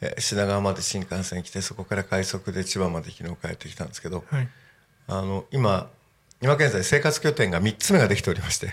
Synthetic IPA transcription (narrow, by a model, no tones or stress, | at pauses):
ḛɕinaɡaamad̪e̞ɕĩŋkãɰ̃sẽ̞ŋikʲi̥t̪aiso̞ko̞kaɾakaiso̞kɯ̟d̪e̞t͡ɕibãmːad̪e̞çʲino̞ːkae̞̰t̪ːe̞kʲi̥t̪ãnd̪e̞sɨ̥ke̞d̪o̞ | ano̞ima | ɲʲimakẽ̞nzaise̞ːkat͡sɨ̥kʲo̞t̪ẽ̞ŋɡamʲitt͡sɨme̞ɡad̪e̞kʲit̪e̞o̞ɾimaɕi̥t̪e̞